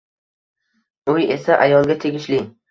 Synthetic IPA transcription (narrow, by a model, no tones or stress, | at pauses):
oje̞saʔajɒlˠɡʲat̪ʰe̞ɡʲɪʃlɪ